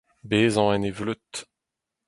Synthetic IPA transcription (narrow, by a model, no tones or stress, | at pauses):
beːzɑ̃ɛ̃nevlyt̪